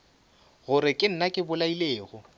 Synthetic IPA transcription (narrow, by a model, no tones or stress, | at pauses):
ɣʊɾɪkʼɪn̩nakʼɪbʊlaileːɣʊ